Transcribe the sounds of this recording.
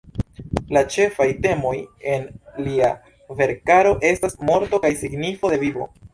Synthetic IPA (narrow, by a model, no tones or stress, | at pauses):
lat͡ʃe̞fajte̞mo̞je̞nlia | ve̞ɾkaɾo̞ʔe̞stasmo̞ɾto̞kajsiɡnifo̞de̞vivo̞̰